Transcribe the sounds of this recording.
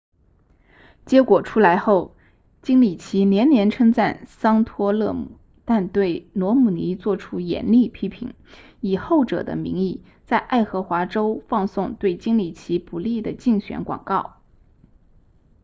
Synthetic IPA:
t͡ɕjɛ˧˥kwɔ˨˩ʈ͡ʂʰu˥la˧˥ɪxo˥˩ʊ | t͡ɕi˥ŋli˨˩t͡ɕʰi˧˥njɛ˧˥nnjɛ˧˥nʈ͡ʂʰɤ˥ŋt͡sa˥˩nsɑ˥ŋt̪ʰwɔ˥lɤ̰˥˧mṵ˨˩˦ | t̪a˥˧nt̪we˥˩ɪnwɔ˧˥mu˨˩ni˧˥t͡swɔ˥˩ʈ͡ʂʰu˥jɛ̰˧˥nli˥˩pʰi˥pʰḭ˧˥ŋ | i˨˩xo˥˩ʊʈ͡ʂɤ̰˨˩d̪ə̰˦mḭ˧˥ŋi˥˩ | t͡sa˥˧ɪʔa˥˩ɪxɤ˧˥xwa˧˥ʈ͡ʂo˥ʊfɑ˥˧ŋsʊ˥˧ŋt̪we˥˩ɪt͡ɕi˥ŋli˨˩t͡ɕʰi˧˥pu˨˩li˥˩d̪ə˩t͡ɕi˥˩ŋɕɥɛ̰˧˥nkwɑ̰˨˩ŋkɑ˥˩ʊ

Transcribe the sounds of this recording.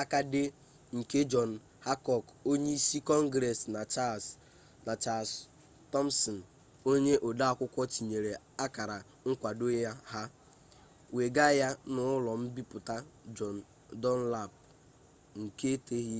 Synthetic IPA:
a˦ka˦dɪ˦ | ŋ̩˨ke˦d͡ʒɔ˨n̩˨ | ha˦kɔ˨ko˦ɲe˦i˦si˦kɔ˦ŋ˦ɡɾɛ˨sna˨t͡ʃa˦s | na˨t͡ʃa˨s | tɔ˦m˦sɔ˨n̩˨ | o˦ɲe˦ʔɔ˨da˦a˨kʷʊ˦kʷɔ˦t͡ʃi˨ɲe˨ɾe˨ | a˦ka˨ɾa˨ | ŋ̩˦kʷa˨do˦ja˦ɦa˦ | we˨ɡa˦ja˦nʊ˦ʊ˦lɔ˨m̩˦bi˦pʊ˨ta˦d͡ʒɔ˨n̩˨ | dɔ˦n˦la˦˨p̚ | ŋ̩˨ke˦te˦ɦi˦

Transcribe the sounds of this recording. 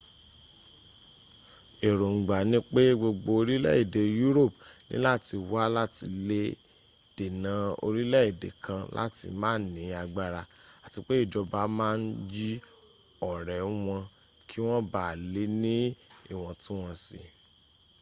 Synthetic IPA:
e˨ɾo˨ŋ̩˨ɡ͡ba˨nĩ˦k͡pe˦ɡ͡bo˧ɡ͡bo˧o˧ɾi˦lɛ̰˦i˨de˨ju˦ɾo˦˨pnḭ̃˦la˦˨ti˧wa˦la˦ti˧le˦ | d̥e˨nã˨o̰˧ɾi˦lɛ˦i˦˨de˨kã˧la̰˦tḭ˧mãː˦˨˦nĩ˨˦a˧ɡ͡ba˦ɾa˧ | a˨ti˧k͡pe˦i˦˨d͡ʒɔ˧ba˦mãː˦n̩˦d͡ʒi˦ | ɔ˦˨ɾɛ˨˦w̃ɔ̃˧ | kʰi˦w̃ɔ̃˦ba˦˨le˨˦nĩ˦ḭ˦˨w̃ɔ̃˧tũ˦w̃ɔ̃˧sḭ˦˨

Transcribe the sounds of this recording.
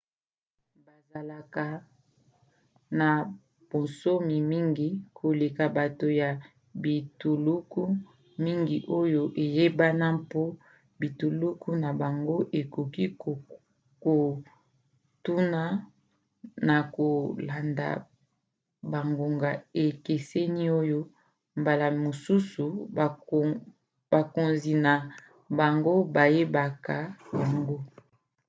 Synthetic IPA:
ba˨za˨la˨ka˨ | na˨ | po˨nso˦mi˨mi˦ŋɡi˦kʰo˨le˨ka˨ba˨to˨ja˨ | bi˨tu˨lu˦ku˦ | mi˦ŋɡi˨ʔo˦jo˨ʔe˨je˦ba˦na˦po˦ | bi˨tu˨lu˦ku˦na˨ba˨ŋɡo˦ʔe˨ku˨ki˦˨ | ko˨ | tu˦na˦ | na˨ko˨la˨nda̰˨ | ba˨ŋɡo˨ŋɡa˨e˨ke˨se˦ni˦o˦jo˦ | mba˨la˨mo˨su˦su˨ | ba˨ko˨nzi˨na˨ | ba˨ŋɡo˦ba˨je˦ba˨ka˨ja˨ŋɡo˦

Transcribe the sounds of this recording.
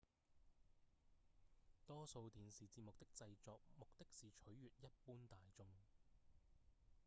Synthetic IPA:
t̪ɔː˥so˧wt̪iː˨˧nsiː˨t͡siː˧p̚mʊ˨k̚t̪ɪ˥k̚t͡sɐ˧jt͡sɔː˨˧k̚mʊ˨k̚t̪ɪ˥k̚siː˨t͡ʃʰɵ˨˥ɥɥyː˨t̚jɐ˥t̚puː˥nt̪aː˨jt͡sʊ˥ŋ

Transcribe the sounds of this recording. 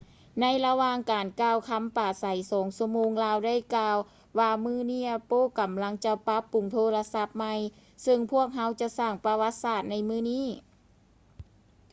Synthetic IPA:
na˧˥jla˧waː˧ŋkaː˨nkaː˧˩wkʰa˧˥mpaː˨˩sa˨˦jsɔː˨˩˦ŋsu˧moː˧ŋlaː˧˥wda˥˩jkaː˧w | waː˧mɯː˧˥˩niː˧˥˩poː˧˥˨ka˨˩mla˧˥ŋt͡ɕa˧pa˧˦˥pːu˨˩ŋt̪ʰoː˧˥la˧sa˧˥p̚ma˧j | sɯ˧ŋpʰu˦˥˩ək̚ɦa˧˥wt͡ɕa˧saː˥˩ŋpa˧wa˧˦˥t̪̚saː˧˩t̪̚na˧˥jmɯː˧˥˨niː˥˩˨

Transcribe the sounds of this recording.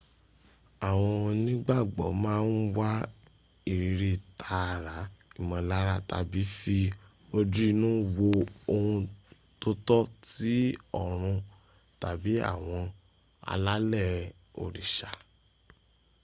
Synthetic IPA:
a˦˨w̃ɔ̃˧nĩ˦ɡ͡ba˦˨ɡ͡bɔ̰˨˦mãː˦˧˦n̩˦wa˦ | i˨ɾi˨˦ɾi˧tʰa˧˨ɾa˨˦i˦˨mɔ̃˧la˦ɾa˦˨ta̰˧bi˨˦fi˧ | o˧dɾi˦˧nũː˦wo˧o˧hũ˧ | to˧tɔ˦ti˦ɔ˦˨ɾ̃ũ˧ | ta˨bi˨˦a̰˦˨w̃ɔ̃˧ | a̰˧la˦lɛ˦˨ | o̰˨ɾi˨ʃa˨

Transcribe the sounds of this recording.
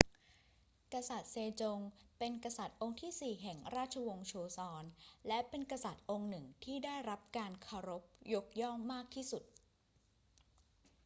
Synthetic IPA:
ka˧sa˨˩t̪̚seː˧t͡ɕo˧ŋpe˧nka˧sa˨˩t̪̚ʔo˧ŋt̪ʰiː˥˩siː˨˩ɦɛ˨˩ŋɾaː˥˩t̪̚t͡ɕʰa˧wo˧ŋt͡ɕʰoː˧sɔː˧nlɛ˦˥pe˧nkɾa˧sa˨˩t̪̚ʔo˧ŋnɯ˨˩ŋt̪ʰiː˥˩daː˥˩jɾa˦˥p̚kaː˧nkʰa˧wɾo˦˥p̚jo˦˥k̚jɔ˥˩ŋmaː˥˩k̚t̪ʰiː˥˩su˨˩t̪̚

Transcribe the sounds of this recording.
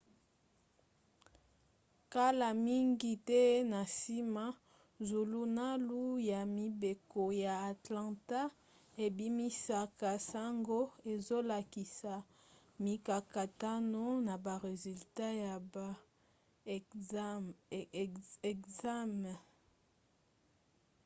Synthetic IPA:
ka˦la˨mi˦ŋɡi˦tɛ˦na˨si˦ma˦ | zu˨lu˦na˦lu˦ja˨mi˨be˨ko˨ja˨a˨tlɑ̃˨ta˦ | e˨bi˦mi˦sa˨ka˨sa˦ŋɡo˦e˨zo˦la˨ki˨sa˨ | mi˨ka˨ka˨ta˦no˦na˨ba˨ʁe˨zy˨lta˦ja˨ | ɛ˨kza˦m˨

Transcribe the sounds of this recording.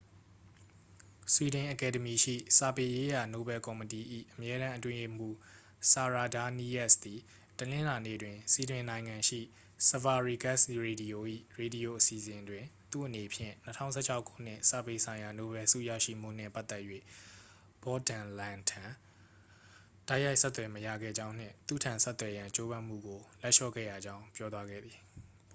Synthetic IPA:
swi˨dɪ̃˨ʔəkɛ˨də˨mi˨ʃḭ˦˨sa˨pe˨je˦ja˨no˨˦bɛ˨kɔ˨məti˨ʔḭ˦˨ʔəmjɛ˦ɾã˦ʔətwɪ̃˦je˦˨m̥u˦˨ | sa˨ɹa˨da˦ni˦ʔɛ˦ʔsd̪i˨ | tənɪ̃˦la˨nḛ˦˨dwɪ̃˨si˨dwɪ̃˨nã˨ɪ̃ŋã˨ʃḭ˦˨ | sə˨va˨ɹi˨ɡa˦˨sɹe˨di˨jo˨ʔḭ˦˨ɹe˨di˨jo˨ʔəsi˨zɪ̃˨ndwɪ̃˨t̪ṵ˦˨ʔəne˨pʰjɪ̰̃˦˨n̥ətʰã̰˦ʊ̃sʰɛ̰˦˨t͡ɕʰa˦ʊkʰːṵ˦˨n̥ɪ̰̃˦˨sa̰˦˨pe˨sʰã˨ɪ̃ja˨no˦bɛ˨sṵ˦˨ja̰˦˨ʃḭ˦˨m̥ṵ˦˨n̥ɪ̰̃˦˨pa˦ʔt̪ɛ˦ʔjwḛ˦˨ | b̥ɔ˦dã˨lã˨tʰã˨ | d̥a˦ɪja˦ɪʔsɛ˦t̪ːwɛ˨məja̰˦˨ɡɛ̰˦˨d͡ʑã˦ʊ̃n̥ɪ̰̃˦˨t̪ṵ˦˨tʰã˨nsɛ˦t̪wɛ˨jã˨t͡ɕo˦βã˦m̥ṵ˦˨ɡo˨lɛ˦ʔʃɔ̰˦˨ɡɛ̰˦˨ja˨d͡ʑã˦ʊ̃pjɔ˦t̪wa˦ɡɛ̰˦˨d̪i˨

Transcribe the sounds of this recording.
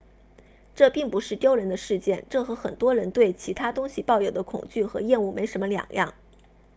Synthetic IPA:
ʈ͡ʂɤ˥˧pi˥˩ŋpu˧˥ʂɻ̩˥˩t̪jo˥ʊɻə˧˥nd̪ə˧ʂɻ̩˥˧t͡ɕjɛ˥˧nʈ͡ʂɤ˥˩xɤ˧˥xə̰˨˩nt̪wɔ˥ɻə˧˥nt̪we˥˩ɪt͡ɕʰi˧˥t̪ʰa˥t̪ʊ˥ŋɕi˨pɑ˥˩ʊjo˨˩ʊd̪ə˦kʰʊ̰˨˩ŋt͡ɕy˥˩xɤ̰˧˥jɛ˥˧nu˥˩me˧˥ɪʂə˧˥mə˧ljɑ̰˨˩ŋjɑ̰˥˩ŋ

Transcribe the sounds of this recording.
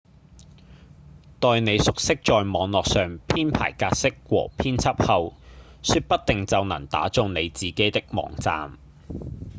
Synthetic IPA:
t̪ɔː˨jne˨˧jsʊ˨k̚sɪ˥k̚t͡ʃɔː˨jmɔː˨˧ŋlɔː˨k̚sœː˨ŋpʰiː˥npʰa̰ː˨˩jkaː˧t̚sɪ˥k̚wɔ̰ː˨˩pʰiː˥nt͡sʰɐ˥p̚hɐ˨wsyː˧t̚pɐ˥t̚t̪ɪ˨ŋt͡sɐ˨wnɐ̰˨˩ŋt̪a̰ː˨˥t͡sʊ˨˧ŋne˨˧jt͡siː˨ke˨˥jt̪ɪ˥k̚mɔ̰ː˨˩ŋt͡sa̰ː˨m

